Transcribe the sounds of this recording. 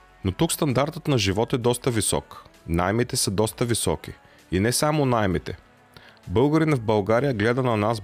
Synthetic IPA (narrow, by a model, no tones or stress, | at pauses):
not̪ukst̪ɐnd̪aɾt̪ət̪nɐʒivɔt̪ɛd̪ɔst̪əvisɔ̰knajmit̪ɛsəd̪ɔst̪əvisɔ̰k̟i | inɛsamonajmit̪ɛ | bɤlˠɡəɾinɐvbɐlˠɡaɾijəɡlɛd̪ɐnɐnas